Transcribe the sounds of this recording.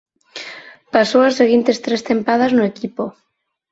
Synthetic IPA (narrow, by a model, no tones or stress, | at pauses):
pasowaseɣint̪est̪ɾest̪empað̞aznʊekipo